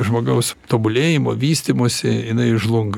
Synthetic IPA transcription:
ʒmoːɡɐʊst̪oːbʊlʲeːjɪmo̰ːʋʲiːsʲt̪ʲɪmoːsʲɪɪnɐɪɪʒlˠʊŋɡ

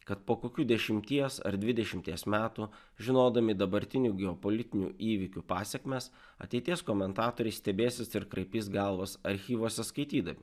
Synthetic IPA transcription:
kɐt̪̚poːkoːkʲuːd̪ʲɛʃʲɪmʲt̪ʲiɛsɐ̰ɾd̪ʲʋʲɪd̪ʲɛʃʲɪmʲt̪ʲiɛsmʲæːt̪uː | ʒʲɪnoːd̪ɐmʲɪd̪ɐbɐɾʲt̪ʲɪnʲuːɡʲɛɔpɔlʲɪt̪ʲɪnʲṵːʔiːʋʲɪkʲupɑːsʲɛkmʲes | ɐ̰t̪ʲɛɪt̪ʲiɛskoːmʲɛnt̪ɑːt̪oːɾʲɛɪsʲt̪ʲɛbʲeːsʲɪsɪɾkɾɐɪpʲiːsɡɐlˠʋɐsɐɾʲxʲiːʋoɔsʲɛskɐɪt̪ʲiːd̪ɐmʲɪ

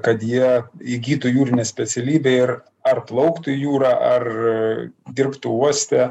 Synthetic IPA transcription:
kɐt̪jiɛɪɡʲiːt̪ʊjuːɾʲɪnʲɛːsʲpʲɛt̪sʲɛlʲiːbʲɛːɪɾ | ɐrplˠɐʊkt̪ʊjuːɾɑːʔɐr | d̪ʲɪrpt̪ʊuɔsʲt̪ʲɛ

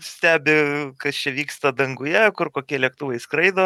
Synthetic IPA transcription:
sʲt̪ʲæːbʲɪkɐst͡ʃʲɛʋʲiːkst̪ɐd̪ɐŋɡʊjɛkʊrkoːkʲiɛlʲiɛk̚t̪uːʋɐɪskɾɐɪd̪oː

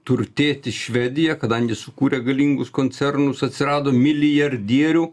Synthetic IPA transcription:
t̪ʊɾʲt̪ʲeːt̪ʲɪʃʲʋʲɛd̪ʲɪjɛkɐd̪ɐŋʲɡʲɪsʊkuːɾʲɛɡɐlʲiːŋɡʊskoːnʲsʲɛrnʊsɐt̪ʲsʲɪɾɑːd̪oːmʲɪlʲɪjɐɾʲd̪ʲiɛɾʲu

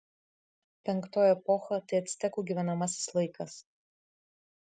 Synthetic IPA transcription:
pʲɛŋˑkt̪oːjɛpɔxɐt̪ɐɪɐt̪ʲsʲɪ̥t̪ʲɛkuːɡʲiːʋʲɛnɐmɐsʲɪ̥slˠɐɪkɐs

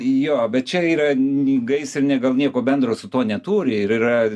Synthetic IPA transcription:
joːbʲɛt̪̚t͡ʃʲɛiːɾɐiɡɐɪsɪɾnʲɛɡɐlˠnʲiɛkoːbʲɛnd̪ɾoːsʊt̪oːnʲɛt̪uːɾʲɪɪɾiɾɐ

